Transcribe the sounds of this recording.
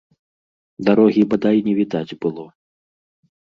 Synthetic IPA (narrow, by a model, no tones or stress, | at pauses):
d̪aɾɔɣʲibad̪ajnʲɛvʲid̪ad͡zʲbɨlˠɔ